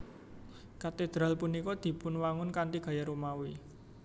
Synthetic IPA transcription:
kat̪ed̪̥ɾalpunikɔd̪̥i̤pʊnwaŋʊnkant̪iɡ̥a̤jaɾomawi

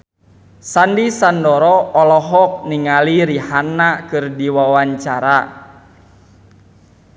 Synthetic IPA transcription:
sandisandɔɾɔːlɔɦɔk̚niŋaliɾihanːakɨrdiwawaɲt͡ʃaɾa

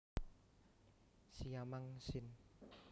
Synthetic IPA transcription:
sijamaŋsɪn

